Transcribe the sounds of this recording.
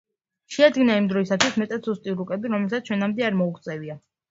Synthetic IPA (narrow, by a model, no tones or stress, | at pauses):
ʃɛad̪ɡinaimd̪ɾɔisat̪ʰwismɛt̪ʼat̪sust̪ʼiɾukʼɛbiɾɔmɛlt̪ʰat̪sʰt͡ʃʰwɛnamd̪ɛaɾmɔukt̪sʼɛvia